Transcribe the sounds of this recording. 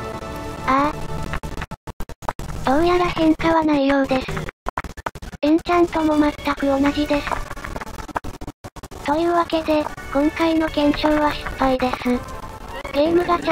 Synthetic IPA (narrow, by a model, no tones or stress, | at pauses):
a | d̪̥õ̞ɰ̃jaɾahẽ̞ŋkaβanaijo̞ːd̪e̞sɨ̥ | ẽɲ̟t͡ɕãnt̪o̞mo̞mat̪ːakɯ̟o̞naʑid̪e̞sɨ̥ | t̪o̞jɯ̟ːβake̞d̪e̞kõ̞ŋkaino̞ɡẽ̞ɰ̃ɕoːβaɕi̥pːaid̪e̞s | ɡ̥eːmɯ̟ɡat͡ɕ